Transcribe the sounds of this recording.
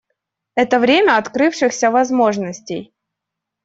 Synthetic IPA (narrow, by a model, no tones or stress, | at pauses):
ɛt̪əvɾʲemʲəɐt̪kɾɨfʂɨxsʲəvɐzmo̞ʐnəsʲtʲej